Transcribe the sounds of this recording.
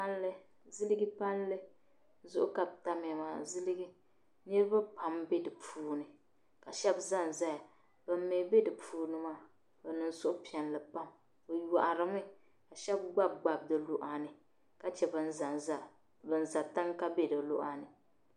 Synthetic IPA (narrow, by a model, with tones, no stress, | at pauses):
a˦n˦lɨ˦ | zɨ˦lɨ˦ɡɨ˦pa˦n˦lɨ˦ | zʊ˦ʔʊ˦ka˨bta˦m˨a˨maː˨zɨ˦lɨ˦ɡi˦ | nɨ˦ɾɨ˦ba˦pa˨mbe˦dɨ˨pʰuː˦nɨ˨ | ka˨ʃɛ˦bza˦˨n˨za˦ja˨ | b̥ɨ˨m˦me˨˦be˦dɨ˨pʰuː˦nɨ˦maː˦˨ | bɨ˨nɨ˨n˦sʊ˦ʔʊ˦pi˨ɛ˨nlɨ˨pa˦m | o˨ja˨ʔa˨ɾɨ˨mɨ˦ | ka˨ʃɛ˦bɡ͡ba˦b̚ɡ͡ba˨b̚dɨ˨lo˦ʔa˦nɨ˨ | ka˦t͡ʃɛ˨bɨ˨n̩˦za˨nza˦ | bɨ˨n˦˨za˨ta˦ŋka˦bɛ˦dɨ˨lo˦ʔa˦nɨ˨